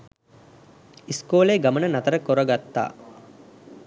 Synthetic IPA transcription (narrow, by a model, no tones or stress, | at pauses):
iskoːleːɡamənənat̪əɾəkoɾəɡat̪ːa̰ː